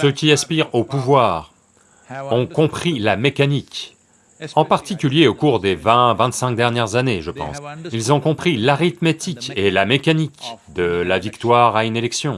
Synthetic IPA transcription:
səkʲiaspiʁopuvwaːʁ | ɔ̃kɔ̃pχilamekanik | ɑ̃paʁt̪ikʲyljeokuʁd̪evɛ̃vɛ̃t̪sɛ̃k̚d̪ɛʁnjɛʁzaneʒəpɑ̰̃silzɔ̃kɔ̃pχilaʁit̪met̪ikelamekanikd̪əlavikt̪waʁaynelɛksjɔ̃

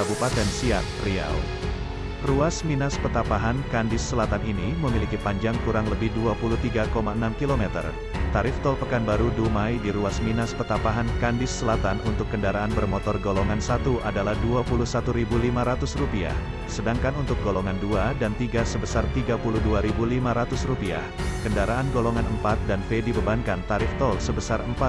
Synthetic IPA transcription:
kabupat̪ɛnsia̰tria̰w | ruasminaspət̪apaɦankandɪsːəlat̪aniniməmilikipaɲd͡ʒaŋkuɾaŋləbɪhduapuluht̪iɡakomaənamkilomɛt̪ə̰r | t̪aɾɪft̪ɔlpəkanbaɾudumajdiɾuasminaspət̪apaɦankandɪsːəlat̪anunt̪ʊkːəndaɾaanbərmɔt̪ɔrɡolɔŋansat̪uʔadalahduapulusat̪uɾibulimaɾat̪ʊsrupia̰h | sədaŋkanunt̪ʊk̚ɡolɔŋanduadant̪iɡasəbəsart̪iɡapuluhduaɾibulimaɾat̪ʊsrupia̰h | kəndaɾaanɡolɔŋanəmpat̪̚danfedibəbankantt̪aɾɪft̪ɔlsəbəsarəmpat̪̚

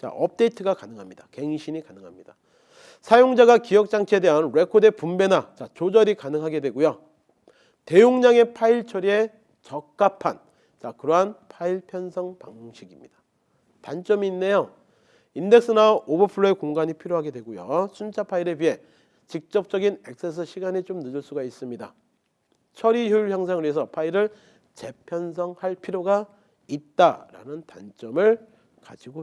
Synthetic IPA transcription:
t͡ɕa̰ʔʌp̚t͈e̞itʰɯɡakanɯŋɦamɲidake̞ŋɕʰinikanɯŋɦamɲid̥a | sʰajoŋd͡ʑaɡakijʌk̚t͡ɕ͈aŋt͡ɕʰeedeɦanɾe̞kʰode̞pumbe̞nat͡ɕat͡ɕod͡ʑʌɾikanɯŋɦaɡe̞dwe̞ɡujo | te̞joŋɲaŋe̞pʰaiɭt͡ɕʰʌɾie̞ | t͡ɕʌk̚k͈apʰan | t͡ɕakɯɾʌɦanpʰaiɭpʰjʌnsʰʌŋpa̰ŋmoŋɕʰiɡimɲid̥ḁ | tant͡ɕ͈ʌmiːnːe̞jo | inde̞k̚s͈ɯnaʔobɯpʰɯɭːoe̞koŋɡaɲipʰiɾjoɦaɡe̞dwe̞ɡojo̰sʰunt͡ɕʰapʰaiɾebɥiɦe̞ | t͡ɕik̚t͡ɕ͈ʌp̚t͡ɕ͈ʌɡine̞k̚s͈es̬ʰɯɕʰiɡaɲit͡ɕomnɯd͡ʑɯɭs͈uɡais͈ɯmɲida | t͡ɕʰʌɾijuɭçjʌŋs̬ʰaŋɯɾies̬ʰʌpʰaiɾɯɭ | t͡ɕe̞pʰjʌns̬ʰʌŋhaɭpʰiɾjoɡa | it̚t͈aɾa̰nɯntant͡ɕ͈ʌmɯɭ | ka̰d͡ʑiɡo

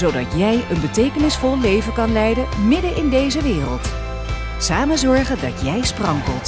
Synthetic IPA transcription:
zowdɑtjɛjənbətejkənɪsfɔlˠlejvəkɑnlɛjdəmɪdənɪndejzəʋɪːrəlˠt | saːmənzɔɹχəndɑ̰tjɛjsprɑŋkəlˠt

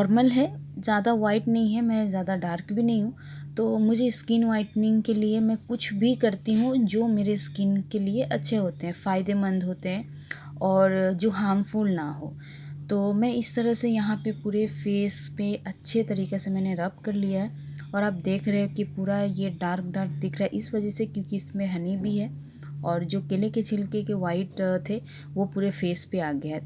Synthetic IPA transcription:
ɔːɾməlɦɛzjaːd̪aʋaːɪʈnɐɦĩɦɛmɛ̃zjaːd̪aɖaːɾkbʱinɐɦĩɦũ | t̪oːmʊd͡ʒʱeskiːnʋaːɪʈnɪ̃ŋɡkeliemɛ̃kʊt͡ʃʰbʱikɐɾt̪iɦũd͡ʒoːmeːɾeskiːnkelieʔɐtːʃʰeɦoːt̪eɦɛ̃faːɪd̪emɐ̃nd̪ʱɦoːt̪eɦɛ̃ː | ɔːɾd͡ʒoːɦaːmfulna̰ɦo̰ː | t̪oːmɛ̃ːɪst̪ɐɾəsejɐɦãpepuːɾefeːspeʔɐtːʃʰet̪ɐɾiːkesemɛ̃ːneɾɐp̚kɐɾlijaɦɛ | ɔːɾaːp̚d̪eːkʰɾɐɦẽkipuːɾajeɖaːɾk̚ɖaːɾk̚d̪ɪkʰɾaɦɛʔɪsʋɐd͡ʒɛsekjõːkiɪsmẽɦɐnibʱiɦɛː | ɔːɾd͡ʒoːkeleket͡ʃʰɪlkekeʋaːɪʈt̪ʰe | ʋopuːɾefeːspeaːɡɐjaɛ

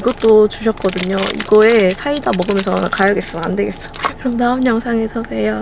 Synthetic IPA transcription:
iɡʌt͈ot͡ɕuɕʰʌt̚k͈ʌdɯɲoḭɡʌesʰaidamʌɡɯmjʌnsʰʌanakajʌɡes͈ɯmande̞ɡe̞ts͈ʌ̥kɯɾʌmnaumjʌŋsʰaŋe̞sʰʌejʌ

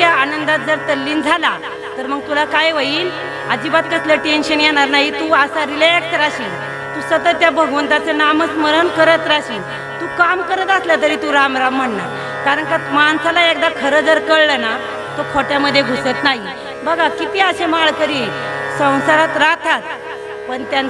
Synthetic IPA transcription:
jaanənd̪at̪̚d͡zəɾt̪əlːiːnd͡zʱala | t̪əɾməɡ̚t̪ulakajʋəjiːl | ad͡ʑiːbat̪̚kəsləʈenɕənjɛnaɾnaɦit̪uəsaɾilɛksɾaɕiːl | t̪uːsət̪ət̪ːjabʱəɡʋənt̪at͡sanamət͡sməɾənkəɾət̪ɾaɕiːl | t̪uːkamkəɾət̪aslət̪əɾiːt̪uɾamɾam̤ːəɳːa̰ | kaɾəɳkat̪mansalaek̚d̪akʰəɾəd͡zəɾkəɭləna | t̪okʰoʈjaməd̪ʱːjeɡʱusət̪naɦi | bəɡʱakit̪iːəɕemaɭkəɾiːlsə̃w̃saɾat̪ɾat̪ʰat̪̚ | pəɳt̪ja

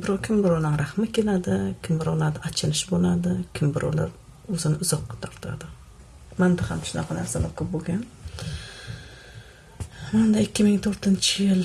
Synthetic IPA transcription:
bɪɾɒkʲʰɪmbɪɾɒwnɪŋɾahmɪkʲʰelad̪ɪkʲʰɪmbɪɾɒwlaɾd̪aat͡ʃʰɪlɪʃbolad̪ɪkʲʰɪmbɪɾʔɒ̰wla̰ɾ | ɵzɪnɪʊzɒqːɑt̪ʰaɾt̪ʰa̰d̪ɪ | mand̪ahamʃʊnɑqʰɑnaɾsalakʰʲʊp̚boɡʲan | mand̪aɪkʲʰːɪmɪŋt̪ʰoɾt̪ɪnt͡ʃʰɪjɪl

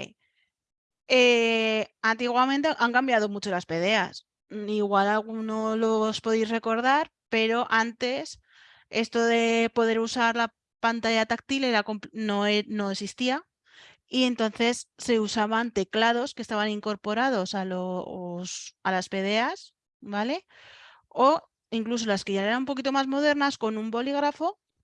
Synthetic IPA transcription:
ḭ | e | ant̪iɣwamẽnt̪̬eʔaŋkambjað̞o̞mut͡ʃo̞laspe̞ðe̞a̰s | iɣwalalɣ̞unolospo̞ðisre̞ko̞ɾð̞aɾ | pe̞ɾo̞ʔant̪e̞s | e̞st̪o̞ðe̞po̞ðe̞ɾusaɾla | pant̪aʝat̪ak̚t̪ile̞ɾakompno̞eno̞eksist̪ia | ie̞nt̪o̞n̟θe̞sːe̞usaβ̞ant̪e̞klaðo̞ske̞st̪aβanĩŋko̞ɾpo̞ɾað̞o̞salosalaspe̞ð̞e̞as | bale̞ | o̞ | iŋklus̬o̞laske̞ʝaeɾanũmp̬o̞k̬it̪̬o̞mazmo̞ð̞e̞ɾnasko̞nũmbo̞liɣ̞ɾafo̞

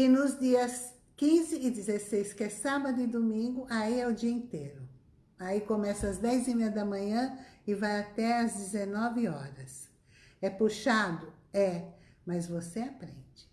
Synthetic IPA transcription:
ɪnʊzd͡ʒiɐs | kĩzɪɪd͡ʒ̪ɪzesejskɛsabɐd̪ʊɪd̪omĩŋɡʊʔaiɛʊd͡ʒiɐĩt̪ejɾʊ | aikomɛsɐɐzd̪ɛjzimejɐd̪ɐmɐ̃ɲɐ̃ɪvajat̪ɛɐzd͡ʒɪzenɔvɪɔɾɐs | ɛpuʃad̪ʊɛ | mɐzvoseapɾḛ̃nd͡ʒɪ̥

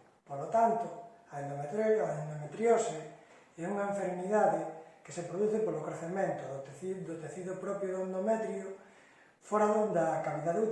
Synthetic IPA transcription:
polot̪ant̪ʊ | ɐend̪omet̪ɾaend̪omet̪ɾjose | ɛuŋɐẽɱfeɾmiðaðekesepɾoðuθɪpolokɾeθemẽnt̪ʊðot̪id̪ot̪eθiðʊpɾɔpɾjoðond̪omɛt̪ɾjo | foɾaðond̪ɐkaβiðaðu

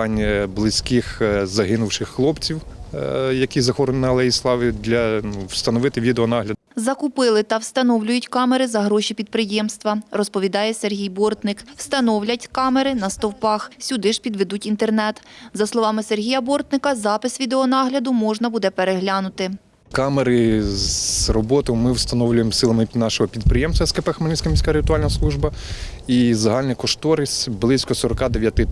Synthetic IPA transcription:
ɑnʲblˠɪsʲkɪxzɐɦɪnʊwʃɪxːlˠɔpt͡sʲiw | jɐkʲizɐxɔɾɔnɪnɐlˠɛjislˠɑʋʲid̪lʲɐnuwst̪ɐnɔʋɪt̪ɪʋʲid̪eɔnɑɦlʲɐ | zɐkʊpɪlˠɪt̪ɐwst̪ɐnɔwlʲʊjʊtʲkɑmeɾɪzɐɦɾɔʃʲipʲid̪̚pɾɪjɛmst̪ʋɐrɔspɔʋʲid̪ɑjɛserɦʲijbɔrt̪nɪkwst̪ɐnɔwlʲɐtʲkɑmeɾɪnɐst̪ɔwpɑxsʲʊd̪ɪʒpʲid̪ʋed̪utʲint̪ernɛt̪zɐslˠɔʋɑmɪserɦʲijɐbɔrt̪nɪkɐzɑpɪsʋʲid̪eɔnɑɦlʲɐd̪ʊmɔʒnɐbud̪ɛpeɾeɦlʲɑnʊt̪ɪ | kɑmeɾɪzrɔbɔt̪ɔjmɪwst̪ɐnɔwlʲʊjemsɪlˠɐmɪnɑʃɔɦɔpʲid̪̚pɾɪjɛmst̪ʋɐskɐpɛxmɐlʲisʲkɐmʲisʲkaɾɪt̪ʊɑlʲnɐslˠuʒbɐ | izɐɦɑlʲnɐkɔʃt̪ɔɾɪsʲblˠɪsʲkɔsɔɾɔkɑd̪eʋʲjɐt̪ɪ

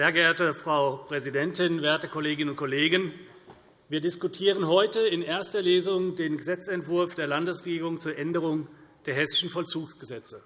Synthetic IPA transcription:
zeːɐɡəeːɐtəfʁ̥aʊpʁ̥ɛzidɛntɪnveːɐtəkʰɔleːɡɪnʊnt̚kʰɔleːɡən | viːɐdɪskutʰiːʁ̞ənɦɔʏtəɪnʔeːɐstɐleːzʊŋdeːnɡəzɛt͡sɛntv̥ʊɐfd̥eːɐlandəsʁeɡiːʁʊŋt͡suːɐʔɛndəʁ̞ʊŋd̥eːɐɦɛsɪ̥ʃn̩fɔlt͡suːksɡ̥əzɛt͡sə

